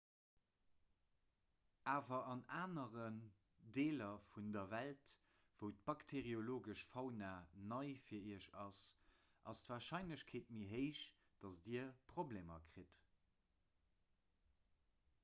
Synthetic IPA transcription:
ʔaːvɐʔɑnaːnəʁən | deːlɐfundɐvælt | v̥əʊt̚b̥ɑktʰeʁioloːɡəʃfɑʊnaːnɑɪfiːɐiːəʃɑs | ʔɑstvaːʁʃɑɪnləɕkʰeːt̚miɦəɪʃ | d̥ɑsdiəɐpʁ̥oblemɐ̰kʁ̥it

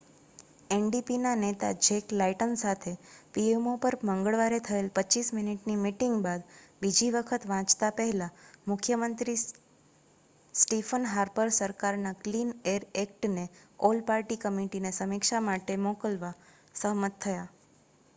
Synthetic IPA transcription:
enɖipinanet̪a̰d͡ʒeklaiʈənsat̪ʰepiemopəɾmə̃ŋɡəɭʋaɾet̪ʰəelpət͡ʃismɪniʈnimiʈɪŋɡbad̪bid͡ʒiʋəkʰət̪ʋãt͡ʃt̪apəɦɛlãmʊkʰjəmənt̪ɾi | sʈifənɦaɾpəɾsəɾkaɾnaklineɾek̚ʈneolpaɾʈikəmiʈinesəmikʃamaʈemɔkəlʋa | səɦmət̪ʰːəja

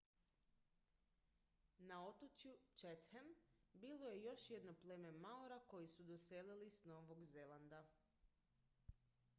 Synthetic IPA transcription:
nao̞t̪ot͡ʃjut͡ʃet̪hembiloje̞jo̞ʃje̞d̪nopleme̞maoɾako̞jisud̪o̞selilisno̞ʋo̞ɡzelˠand̪a

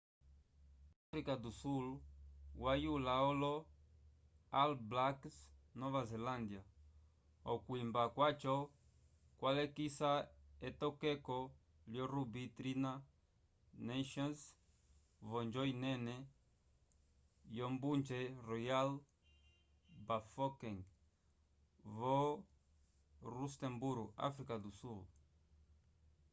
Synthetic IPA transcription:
afɾikad̪usulwajulaolo | alblaksnɔvazelãnd̪ja | okwimbakwat͡ʃɔ | kwalekisaet̪ɔkekɔ | ljɔrubit̪ɾina | naʃɔns | vɔnd͡ʒɔinɛnɛ | jɔmbunt͡ʃɛrɔjal | bafɔkɛŋ | vɔ | ɾust̪ɛ̃mbuɾɡa̰fɾikad̪usulu

